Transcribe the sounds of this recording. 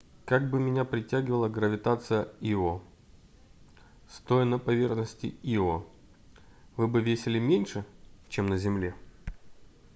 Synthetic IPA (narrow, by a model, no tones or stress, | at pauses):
kaɡ̚bɨmʲɪnʲapɾʲɪtʲːæɡʲɪvəlˠəɡɾəvʲɪt̪at̪sɨjəio | st̪o̞jɪnəpɐvʲe̞rxnəsʲtʲɪ̰io | vɨbɨvʲesʲɪlʲɪmʲenʲʂɨt͡ɕemnəzʲɪmlʲe̞